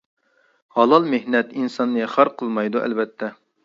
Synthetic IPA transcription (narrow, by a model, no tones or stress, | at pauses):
hɑlˠɑlˠmehnɛt̪insɑnːɨχɑɾqʰəlˠmɑjd̪uʔɛ̰lbɛt̪ʰːɛ